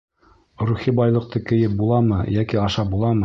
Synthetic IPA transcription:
ɾuχibɑjlˠɤ̆q̚t̪ɤkɘ̆jɘp̚bulˠɑmɤjækiɑʃɑp̚bulˠɑmɤ

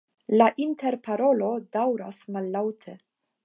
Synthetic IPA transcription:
laʔinte̞ɾpaɾo̞lo̞dawɾa̰smalːawtʰe

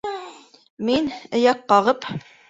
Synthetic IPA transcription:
minɘ̆jɑqːɑʁɤp

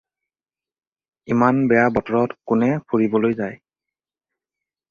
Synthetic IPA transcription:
imanbɛjabɔtɔɹɔtkʊnɛpʰuɹibɔlojzaj

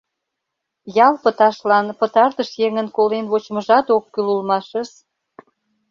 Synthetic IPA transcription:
jɑlpət̪ɑʃlɑnpət̪ɑrt̪əʃjeŋənkolenβot͡ɕməʒɑt̪okːylulmɑʃə̆ʃ

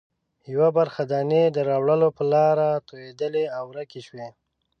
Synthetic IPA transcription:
jawabaɾxad̪ɑned̪əɾɑwɭəlopəlɑɾat̪ojed̪əleawɾakeʃwe

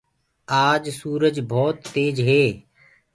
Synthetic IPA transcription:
aːd͡ʒsuːɾəd͡ʒbʱɔːt̪ːeːd͡ʒɦeː

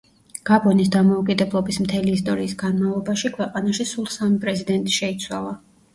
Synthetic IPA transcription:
ɡ̥abɔnisd̪amɔukʼid̪ɛblˠɔbismt̪ʰɛliːst̪ʼɔɾiːsɡanmalˠɔbaʃikʰwɛqʼanaʃisulˠsamipʼɾɛzid̪ɛnt̪ʼi̥ʃɛit̪sʰwa̰lˠa

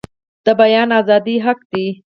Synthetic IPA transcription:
d̪̥əbajɑnɑːzɑd̪iɦaqd̪i

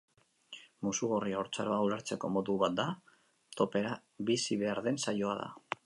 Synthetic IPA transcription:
musuɣoriaoɾt͡sa̰ɾo̞awɾaɾt͡se̞ko̞̰mo̞ðuβat̪̚d̪a | t̪o̞pe̞ɾa | βisiβe̞aɾðe̞nsajo̞aða̰

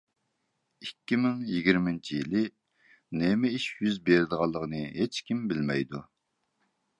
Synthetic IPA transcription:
ikʲːimɪŋjɪɡʲiɾmɪnt͡ʃʰijilɪ | nemɪiʃjyzbeɾɪd̪əʁɑlˠːəʁənɨɦet͡ʃkʲimbɪlmɛjd̪u

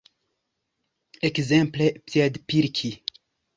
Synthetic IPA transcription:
ekzɛ̃mplepɛd̪piɾkʲʰi

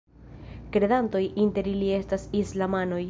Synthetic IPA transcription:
kɾe̞d̪anto̞jʔinte̞ɾilie̞stasislamano̞j

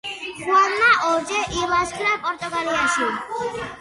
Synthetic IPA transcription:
ɾɔnnaʔot͡ɕeʔilaskʰlapɔɾt̪okaliaʃi

